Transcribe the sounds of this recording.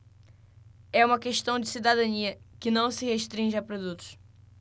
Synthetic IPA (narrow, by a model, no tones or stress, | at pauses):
ɛumɐkɨʃt̪ɐ̃w̃d̪ɨsiðɐðɐniɐkɨnɐ̃w̃sɨʁɨʃt̪ɾĩʒapɾuðut̪u̥ʃ